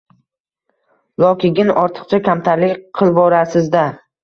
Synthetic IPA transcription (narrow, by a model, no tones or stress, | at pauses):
lˠɒkʲɪɡʲɪnɒɾt̪ʰɨ̥qt͡ʃʰakʲʰamt̪ʰaɾlɪkʲqʰɨlˠbɒɾasɪzd̪a